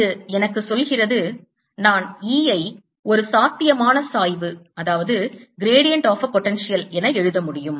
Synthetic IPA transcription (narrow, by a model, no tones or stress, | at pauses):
ɯɛnɐkːɯsɔlɣɪrɐðɯ | naːniːɐɪ | ɔɾɯsaːt̪ːɪjɐmaːnɐsaːjʋɯɐðaːʋɐðɯɡɪɾeːɽɪjɐɳʈaːfɐɾpɔʈːɛnʂɪjɐlɛnɐɛɻɯðɐmʊɽɪjɯm